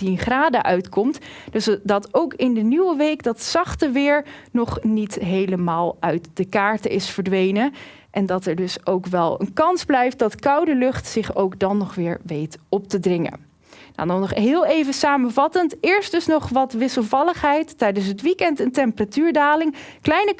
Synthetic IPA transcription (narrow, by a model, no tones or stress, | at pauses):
tinχraːdə̰ʔœɥtkɔmtd̥sdɑtowkɪndənywəʋejkdɑtsɑχtəʋɪːɹnɔχnitɦejləmaːlˠœɥtd̥əkaːɹtəʔɪsfəɹdʋejnə | ʔɛndɑtɛɹdɵsowkʋɛlˠə̰nkɑnzblɛjft̚dɑtkɑwdəlɵχtsɪχowkdɑnːɔχʋɪːɹʋejtɔp̚tədrɪŋə̰ | na̰dɔnɔχɦɪːlˠejvəsaːməvɑtəntɪːɹst̚dɵsnɔχʋɑtʋɪsəlˠvɑlˠəχɦɛjtːɛjdəns̬ɦətʋikɛntəntɛmpəratyːɹdaːlɪŋ | klɛjnə